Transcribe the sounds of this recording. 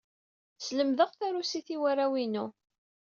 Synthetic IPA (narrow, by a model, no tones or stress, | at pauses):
sləmðəʁθaɾusiθiwarawinu